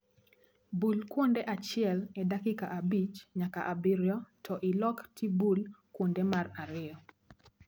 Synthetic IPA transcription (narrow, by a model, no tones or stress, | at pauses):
bulkwondeʔat͡ʃɪɛlɛdakɪkaʔabit͡ʃɲakaʔabiɾjɔtʰɔʔɪlɔktʰibulkwondemaraɾɪɔ